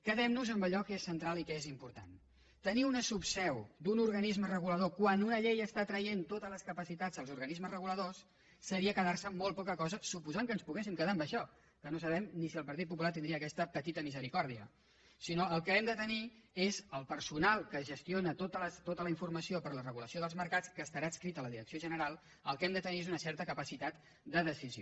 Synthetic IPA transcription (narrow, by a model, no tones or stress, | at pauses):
kəðɛmnuzəmbəlʎɔkesːənt̪ɾalˠikɛezimpuɾt̪a̰n | t̪əniunəsupsɛwd̪unuɾɣənizmərəɣuləðokwanunəʎejəst̪at̪ɾəjent̪ot̪ələskəpəsit̪add͡zəlˠzuɾɣənizməzrəɣuləðosː | əɾiəkəðarsəmolˠpɔkəkɔzəsupuzaŋkənspuɣɛsimkəðambəʃɔ | kənosəβɛmnisiəlˠpəɾt̪it̪pup̬ulat̪ind̪iəːkɛst̪əpət̪it̪əmizəɾikɔɾðiə̰ | sinoəlˠkəɛmd̪ət̪əniezəlˠpəɾsunalˠkəʒəst̪ionət̪ot̪ələst̪ot̪ələiɱfurməsiopəɾlərəɣuləsioðəlˠzməɾkat͡skəːst̪əɾaːskɾit̪ələðiɾəksioʒənəɾalˠ | əlˠkɛmd̪ət̪əniezunəsɛɾt̪əkəpəsit̪at̪ | d̪əðəsizio